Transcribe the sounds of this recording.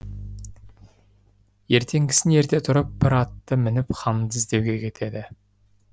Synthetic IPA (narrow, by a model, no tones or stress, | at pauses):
je̞ɾt̪ʰe̞ŋɡʲɪ̥sɪne̞ɾt̪e̞t̪ʰʊɾəp̚b̥ɪɾɑt̪ːəmɪnɪpqʰɑmd̪ɪzd̪e̞wɡʲe̞kʲʰe̞t̪ʰe̞d̪ɪ